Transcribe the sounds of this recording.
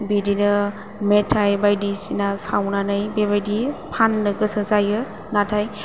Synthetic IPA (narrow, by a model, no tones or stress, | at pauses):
bidinɯ | metʰajbajdisinasawnanajbeβajdipʰanːɯɡɯsəzajɯ | natʰaj